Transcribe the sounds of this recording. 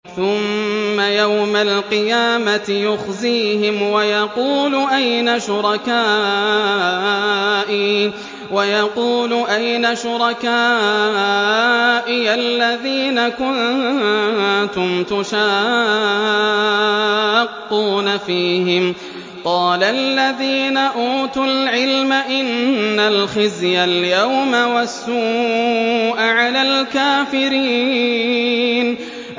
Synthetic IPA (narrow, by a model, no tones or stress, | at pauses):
θʊmːajawmalqɨjaːmat̪ɪjʊxziːɦɪmwajɑquːlʔajnaʃʊɾˤɑkaː | ʔi | wajɑquːlʊʔajnaʃʊɾˤɑkaː | ʔɪjalːaðiːnakʊn | t̪ʊmt̪ʊʃaː | qːuːnafiːhɪm | qɑːlalːaðiːnaʔuːt̪ʊlʕɪlmaʔɪnːalxɪzjaljawmawasːuː | ʔaʕalalkaːfɪɾiː | n